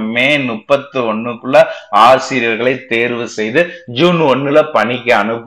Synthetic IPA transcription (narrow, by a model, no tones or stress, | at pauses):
mmeːnʊpːɐt̪ːɯɔɳːɯkːɯɭːɐaːsɪɾɪjɐɾɣɐɭɐɪt̪ːeːɾʋɯsɛjðɯd͡ʒuːnɔɳːɯlɐpɐɳɪkʲːɐɐnɯpː